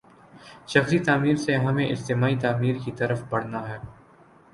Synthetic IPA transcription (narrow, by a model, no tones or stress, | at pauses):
ʃɐxsit̪aːmiːɾseɦɐmẽʔɪst̪ɪmaːit̪aːmiːɾkit̪ɐɾəfbɐɽ̤naɦɛː